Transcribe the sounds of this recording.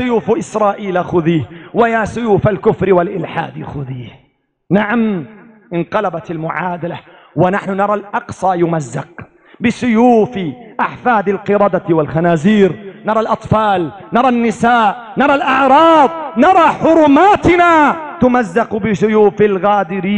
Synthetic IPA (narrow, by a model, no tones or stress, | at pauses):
ʊjuːfʔɪsɾˤɑːʔiːlaxʊðiːhwajaːsʊjuːfalkʊfɾɪwalʔɪlħa̰ːd̪xʊðiːh | naʕam | ʔɪnqɑlabat̪almʊʕaːd̪ala | wanaħnʊnɑɾˤɑlʔɑqsˤɑjʊmazːaq̚ | bɪsʊjuːfɪʔaħfaːd̪alqɨɾˤɑːd̪awalxanaːziːɾnɑɾˤɑlʔɑt̪ˤfaːlnɑɾˤɑnːɪsaːʔnɑɾˤɑlʔɑʕɾˤɑːðˤnɑɾˤɑħʊɾˤʊmaːt̪ɪnat̪ʊmazːaqbɪʃʊjuːfɪlɣaːd̪ɪɾiː